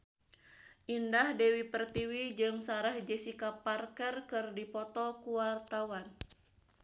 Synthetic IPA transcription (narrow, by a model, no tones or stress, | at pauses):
ʔindahdɛwipərt̪iwid͡ʒɨŋsaɾahd͡ʒɛsikaparkɛrkɨrdipɔt̪ɔkuwart̪awan